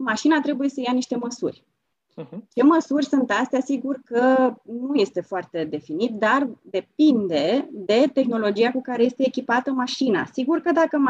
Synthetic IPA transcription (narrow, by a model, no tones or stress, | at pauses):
maʃinat̪ɾe̞buje̞səjaniʃt̪e̞məsṵrʲ | t͡ʃe̞məsurʲsunt̪ast̪ejasiɡurkənuje̞st̪e̞foart̪e̞d̪e̞finit̪̚d̪ard̪e̞pind̪e̞d̪e̞t̪e̞xno̞lo̞d͡ʒijakukaɾe̞je̞st̪eːkʲipat̪əmaʃina̰siɡurkəd̪akə